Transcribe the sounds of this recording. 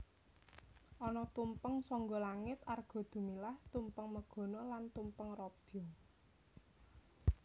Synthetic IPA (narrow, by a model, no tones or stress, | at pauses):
ʔɔnɔt̪umpəŋsɔŋɡɔlaŋɪt̪arɡ̥ɔ̤d̪̥ṳmilaht̪umpəŋməɡ̥ɔ̤nɔlant̪umpəŋrɔb̥ɔ